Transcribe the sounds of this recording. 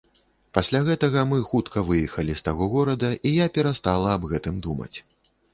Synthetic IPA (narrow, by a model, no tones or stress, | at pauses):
pasʲlʲaɣɛt̪ɐɣɐmɨxut̪kʰɐvɨjɛxɐlʲist̪aɣɔɣɔɾɐd̪ɐʔijapʲɛɾast̪alˠɐːbɣɛt̪ɨmd̪umɐ̰t͡sʲ